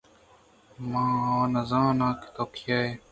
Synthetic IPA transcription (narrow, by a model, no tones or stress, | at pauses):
mãːãːnɐzãːnãːki̥t̪oːkʰjaːe